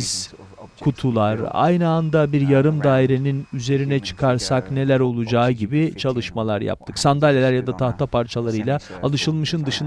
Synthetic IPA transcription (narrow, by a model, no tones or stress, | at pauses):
z̥ | kʰut̪ʰulˠaɾa̰jnɯand̪abiɾjaɾɯmd̪aːiɾe̞ninyze̞ɾinɛt͡ʃʰɯ̥kʰaɾsakne̞lʲæɾo̞lˠud͡ʒaːɟibit͡ʃʰalˠɯʃmalˠaɾja̰p̚t̪ʰɯksand̪alʲelʲæɾjad̪at̪ʰaht̪ʰapʰaɾt͡ʃʰalˠaɾɯjlʲˠaalˠɯʃɯlˠmɯʃɯnd̪ɯʃɯn